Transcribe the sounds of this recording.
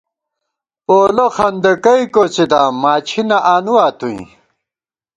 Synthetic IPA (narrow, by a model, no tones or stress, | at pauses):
oːloxɐnd̪ɐkɐjkot͡sid̪aːmaːt͡ɕʰinɐʔaːnuwaːt̪ũḭ̃